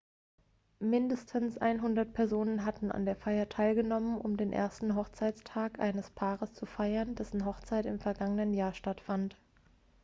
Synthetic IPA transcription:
mɪndəstʰənsʔa̰ɪnɦʊndɐt̚pʰɛɐzoːnənɦatn̩a̰ndeːɐfaɪɐtʰaɪlɡənɔmənʊ̰mdeːnʔḛːɐstn̩ɦɔχt͡saɪt͡stʰaːkʔa̰ɪnəspʰaːʁəst͡sufaɪɐndɛsn̩ɦɔχt͡saɪtɪmfɛɐɡaŋənənjaːɐʃtatfant

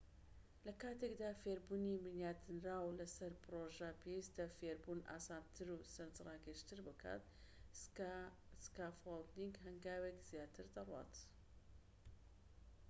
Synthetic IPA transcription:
lɐkaːt̪ekd̪aːfeɾbuːnimɨnjaːt̪ʰɨnɾaːwlɐsɐɾpɨɾoʒɐpʰewist̪ɐfeɾbunʔa̰ːsaːnt̪ʰɨɾusɐnzrɑːɡɨʃt̪ɨɾbɨkʰa̰ːt̪ | skaːfold̪iŋɡɦɐŋɡaːwekz̥jaːt̪ʰɨɾd̪ɐrwa̰ːt̪

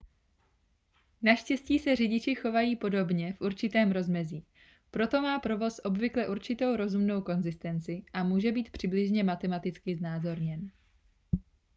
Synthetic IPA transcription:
naʃcɛsciːsɛr̝ɪɟɪt͡ʃɪxo̞vajiːpo̞do̞bɲɛfʔuɾt͡ʃɪt̪ɛːmɾo̞zmɛziː | pɾo̞t̪o̞maːpɾo̞vo̞sʔo̞bvɪklɛʔuɾt͡ʃɪt̪o̞wɾo̞zumno̞wko̞nzɪst̪ɛnt͡sɪʔamuːʒɛbiːt̪̚pr̝̥ɪblɪʒɲɛmat̪ɛmat̪ɪt͡skɪznaːzo̞ɾɲɛn

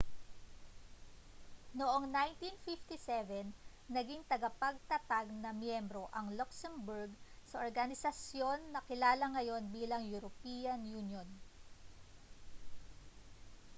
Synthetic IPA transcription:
noʔo̞ŋnajnt̪infift̪isɛvɛnː | ɐɡiŋt̪ɐɡɐpɐɡ̚t̪ɐt̪aɡ̚nɐmjɛmbɾo̞ʔɐŋloksɛmbuɹɡsɐʔoɹɡɐnɪsɐsjo̞nːɐkɪlaːlɐŋɐjo̞nbiːlɐŋjuɾopiːɐnjunjon

